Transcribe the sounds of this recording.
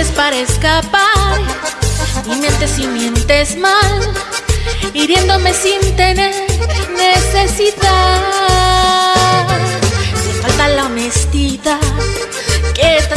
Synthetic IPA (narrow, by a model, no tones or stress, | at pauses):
espaɾaeskapaɾ | d̪imjent̪esimje̞nt̪e̞zmal | iɾje̞nd̪o̞me̞sint̪e̞neɾɾne̞sesiða | sefalt̪alamest̪iða | ket̪a